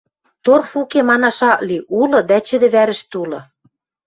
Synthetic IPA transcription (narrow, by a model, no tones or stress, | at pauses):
t̪orfukemɑnɑʃɑʔliʔulɤ̆d̪æt͡ɕɘ̆d̪ɘ̆βæɾɘ̆ʃt̪ulɤ̆